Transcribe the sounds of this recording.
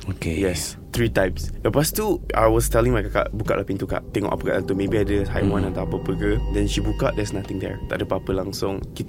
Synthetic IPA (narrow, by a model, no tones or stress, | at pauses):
okʰejɛs | t̪ɹitajpsdəpastua̰jwɔstɛlɪ̃ŋmajkaka̰ʔbukaʔlahpĩnt̪uka̰ʔt̪ɛŋɔ̰ʔa̰pəka̰ʔat̪umẽbiadəha̰jwãnat̪aapəpəkədɛ̃nʃibukaʔdɛsnat̪ɪ̃ŋdɛ̰ɹt̪a̰ʔdəpaapəlãŋsʊ̃ŋkit̪